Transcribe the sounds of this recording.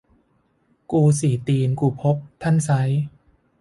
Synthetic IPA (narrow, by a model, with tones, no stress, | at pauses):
kuː˧siː˨˩˦t̪iː˧nkuː˧˩pʰo˦˥p̚t̪ʰa˥˩nsa˦˥j